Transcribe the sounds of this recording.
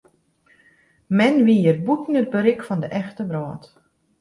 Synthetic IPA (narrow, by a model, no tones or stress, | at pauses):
mɛnʋiərbutn̩əd̚bəɾɪkfɔndəʔɛxtəbrɔːt